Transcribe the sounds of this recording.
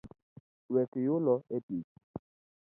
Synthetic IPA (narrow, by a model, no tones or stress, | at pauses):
wɛkɪjʊlɔetit͡ʃ